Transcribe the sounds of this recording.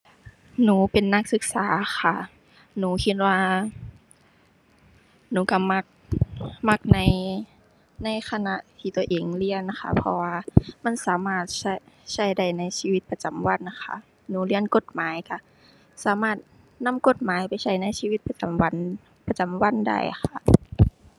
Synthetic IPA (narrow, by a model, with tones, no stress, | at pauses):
nuː˨˦pe˨nːa˧˩k̚sɯ˧k̚saː˨˦xa˧˩ | nuː˨˦kʰi˧t̪̚waː˧ | nuː˨˦ka˧˩ma˧k̚ma˧˩k̚na˧˥˨j | na˧˩˨jxʰa˧na˧ʔt̪ʰiː˧t̪u˧əʔeː˨˦ŋli˧˥˨ənna˧˩xʰa̰˧˩pʰɔ̰˧waː˧ma˧˥˨nsaː˨˦maː˧˩t̪̚sa˧˩ | sa˧˩jda˧˩jna˧˨jsiː˧wi˧t̪̚pa˧t͡ɕa˨˦mwa˧˥˨nːa˧xʰa̰˧˩˨ | nuː˨˦li˧˩ənko˧˦t̪̚maː˨˦jka˧˩ | saː˨˦maː˧˩t̪̚ | na˧˥˨mko˧˥t̪̚maː˨˦jpa˨˩jsa˧˩jna˧˥˨jsiː˧wi˧t̪̚pa˧t͡ɕa˨˦mwa˧˥˨n | pa˧t͡ɕa˨˦mwa˧˥˨nda̰˧˩jxʰa˧˩